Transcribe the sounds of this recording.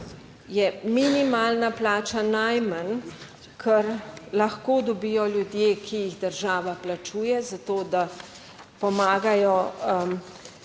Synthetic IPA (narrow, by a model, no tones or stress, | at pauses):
jɛminimaːlnaplaːt͡ʃanajman | kʰəɾlaxkoːd̪ɔbijɔljud̪jeːkʰijiɣd̪əɾʒaːʋaplat͡ʃuːjɛzat̪oːd̪a | pɔmaːɡajɔ